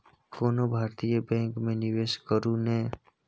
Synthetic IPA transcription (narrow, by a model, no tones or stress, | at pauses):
koːnobʱaːɾt̪ijəbɛ̃ːŋkmẽnɪʋeːʃkəɾũnẽ